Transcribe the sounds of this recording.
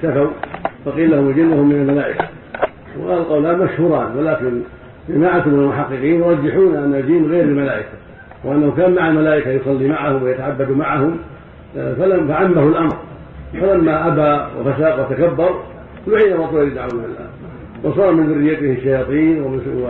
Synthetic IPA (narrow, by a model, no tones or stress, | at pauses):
safawfɑqiːlːahʊmɪld͡ʒɪnːʊhʊmːɪnalmalaːʔɪka̰ | qɑlqɑwlaːnmaʃhuːɾˤɑ̰ːnwɪlaːkɪn | d͡ʒamaːʕat̪ʊmɪnalmʊħaqːɨqiːnjʊɾˤɑd͡ʒːɪħuːnʔanːad͡ʒiːnɣeːɾɪlmalaːʔɪkḁ | wɪʔanːahukaːnmaʕamalaːʔɪkajʊsˤɑlːimaʕahʊmwɪjat̪aʕabːad̪umaʕahʊm | faafaʕamːahʊlʔamɾ | walamːaʔabaːwɪ̰fasaːqwat̪akabːɑɾˤ | lʊħiːnawɑt̪ˤːʊɪld̪aʕaɪlːa̰ː | wɑsˤɑːɾˤmɪnðʊrːɪjːat̪ɪhɪʃːajɑːt̪ˤiːnwɪ